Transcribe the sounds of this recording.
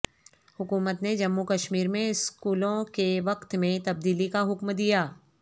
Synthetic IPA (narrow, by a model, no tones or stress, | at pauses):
hʊkuːmət̪ned͡ʒɐmːukɐʃmiːɾmẽɪskuːlõkeʋɐqt̪mẽt̪ɐb̚d̪iːlikaɦʊkmd̪ijaː